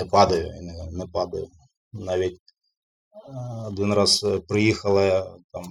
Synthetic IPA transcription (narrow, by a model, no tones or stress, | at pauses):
ɨpad̪ɐjʊ̰innɨpad̪ɐjʊ | naʋʲetʲ | ɐd̪ʲinraspɾɨjixɐlˠɐjat̪am